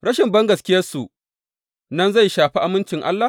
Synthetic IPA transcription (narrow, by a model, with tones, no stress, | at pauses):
ɽɐ˦ʃɪ˨mbɐ˦ŋɡɐ˨skʲɪ˦jɐ˦rsu˨ʔ | nɐ˦nza˦˨jʃaː˨ɸi˦ʔa˨mɪ˦nt͡ʃɪ˨ŋʔa̰˦lːa˨